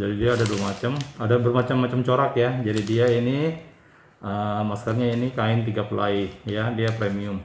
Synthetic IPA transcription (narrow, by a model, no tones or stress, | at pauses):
d͡ʒadidiaːdaduwamat͡ʃamadabərmat͡ʃamːat͡ʃamt͡ʃoɾakjad͡ʒadidiaini | ʔəmaskarɲainikaɪnt̪iɡapəla̰ijadiapɾemiʊm